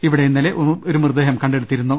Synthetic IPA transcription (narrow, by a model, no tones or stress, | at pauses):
iʋiɽejunːɐleʔoɾumird̪eɦɐmkɐɳɖeɽut̪ːiɾunːu